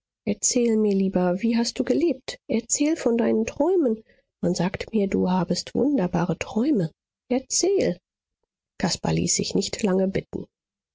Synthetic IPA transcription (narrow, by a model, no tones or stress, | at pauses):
ʔɛɐt͡sɛːlmiːɐliːbɐviːɦast̚d̥uːɡəleːp̚tʔɛɐt͡sɛːlfɔndaɪnəntʁ̥ɔʏmən | manzaːktmiːɐdṵːɦaːbəstv̥ʊ̰ndɐbaːʁətʁ̥ɔʏmə | ʔɛɐt͡sɛːl | kʰaspa̰lḭːsz̥ɪçnɪçtlaŋəbɪtn̩